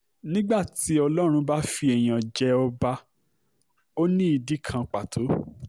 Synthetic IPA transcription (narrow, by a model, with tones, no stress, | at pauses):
nĩ˦ɡ͡ba˦˨ti˨˦ɔ˧lɔ˦ɾ̃ũ˧ba˦fi˧ɛ˨j̃ã˨d͡ʒɛ˧ɔ˧ba˧ | o˦nĩ˦i˧di˦kʰã˧k͡pa˨tʰo˨˦